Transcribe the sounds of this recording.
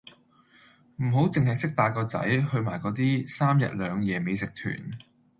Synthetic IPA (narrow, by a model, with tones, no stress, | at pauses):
m̩˨˩ɦo˨˥wt͡sɪ˨˧ŋɦɐ˨jsɪ˥k̚t̪aː˧jkɔː˧t͡sɐ̰˨˥jhɵ˧ɥmaː˨˩jkɔː˨˧˥t̪̬iː˥saː˥mjɐ̰˨t̚lœː˨˧ŋjɛː˨˧me˨˧jsɪ˨k̚t̪ʰy̰ː˨˩n